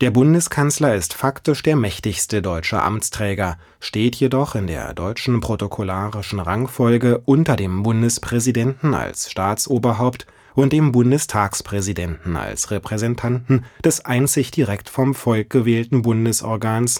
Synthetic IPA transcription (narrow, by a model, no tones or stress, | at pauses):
d̥eːɐbʊndəskʰanslɐɪstfaktɪʃd̥eːɐmɛçtɪçstədɔʏt͡ʃə̰ʔa̰mt͡stʁ̥ɛːɡɐ | ʃteːtʰjedɔχɪndḛːɐdɔʏt͡ʃn̩pʁ̥otokʰolaːʁɪʃn̩ʁaŋfɔlɡəʔʊntɐdeːmbʊndəspʁ̥ɛzidɛntn̩a̰lsʃtaːt͡sʔoːbɐɦaʊpt | ʔʊnt̚d̥eːmbʊndəstʰaːkspʁ̥ɛzidɛntn̩a̰lsʁɛpʁ̥ɛzɛntʰantn̩d̥ɛsʔaɪnt͡sɪçd̥iʁɛktfɔmfɔlk̚ɡ̥əvɛːltn̩bʊndəsʔɔ̰ɐɡaːns